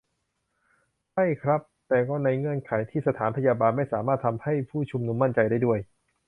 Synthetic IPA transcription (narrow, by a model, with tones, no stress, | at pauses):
t͡ɕʰa˥˩jkʰɾa˦˥p̚t̪ɛː˨˩kɔː˥˩na˧jŋɤ˧ənkʰaː˩˦jt̪ʰiː˥˩sa˧t̪ʰaː˩˦npʰa˧jaː˧baː˧nma˥˩jsaː˩˦maː˥˩t̪ʰːa˧mha˥˩jpʰuː˥˩t͡ɕʰu˧mnu˧mːa˥˩nt͡ɕa˧jdaː˥˩jdu˥˩əj